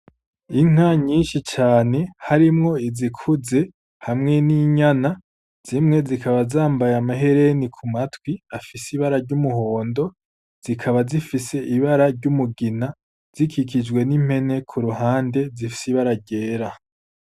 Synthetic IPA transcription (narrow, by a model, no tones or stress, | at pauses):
iŋ̥aɲiːnʃit͡ʃaːne̞haɾimŋo̞izikʰuze̞ | hamŋe̞niɲana | z̥imŋe̞zikʰaβazaːmbajamaɦe̞ɾe̞nikʰumatwiafisiβaɾaɾɟumuɦo̞ːndo̞ | z̥ikʰaβazifise̞ʔiβaɾaɾɟumuɡina | z̥ikikid͡ʒɡwe̞nim̥he̞ne̞kʰuɾuɦaːnde̞zifi̥siβaɾaɾɟe̞ːɾa